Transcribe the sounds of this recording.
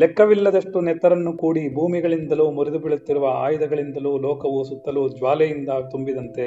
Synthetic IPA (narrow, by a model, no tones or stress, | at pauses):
lɛkːɐʋilːɐd̪ɐʂʈunɛt̪ːɐɾɐnːukuːɽibʱuːmiɡɐɭind̪ɐluːmuɾid̪ubiɭut̪ːiɾuʋɐa̰ːjɐd̪ɐɡɐɭind̪ɐluːlɔːkɐʋusut̪ːɐlud͡ʒʋaːlɛjind̪ɐt̪umbid̪ɐnt̪e̞